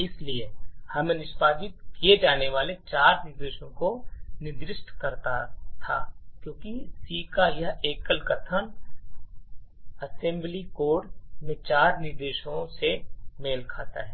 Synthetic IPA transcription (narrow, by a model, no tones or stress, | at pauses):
ɪsliehɐmẽnɪʃpaːd͡ʒɪt̪kied͡ʒaːneʋaːlet͡ʃaːɾnɪɾd̪eːʃõkonɪd̪ɾɪʃʈʰkɐɾt̪a̰t̪ʰa̰ːkjõːkisiːkajɐeːkəlkət̪ʰən | ɐsɛ̃mblikoːɽmẽt͡ʃaːɾnɪɾd̪eːʃõsemeːlkʰa̰ːt̪a̰ɦɛː